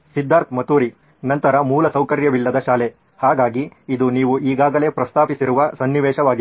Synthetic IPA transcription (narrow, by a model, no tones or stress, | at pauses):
sid̪ʱːaːɾt̪mɐt̪uːɾi | nɐnt̪ɐɾɐmuːlɐsɐwkɐɾjɐʋilːɐd̪ɐʃaːle | haːɡaːɡiːd̪uniːʋuʔiːɡaːɡɐle̞ːpɾɐst̪ʰaːpisiɾuʋɐsɐnːiʋɛːʃɐʋaːɡi